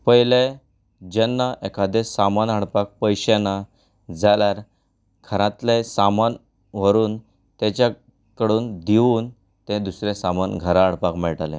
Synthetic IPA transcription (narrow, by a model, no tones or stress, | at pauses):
pəɦjle | d͡ʑenːaʔekad̪esamanəɽpak̚pəjɕena | d͡zaljaɾ | kʰəɾãt̪lesaman | ʋ̤əɾuːn | t̪et͡ɕa | kəɽuːnd̪iuːn | t̪ẽd̪usɾesamanɡʱəɾaːɽpakmɛɭʈalḛ̃